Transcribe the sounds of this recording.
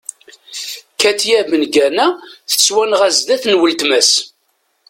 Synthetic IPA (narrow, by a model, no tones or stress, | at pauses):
kːæt̪jæmənɡænæθə̥swænʁæzd̪æθnwəlt̪mæs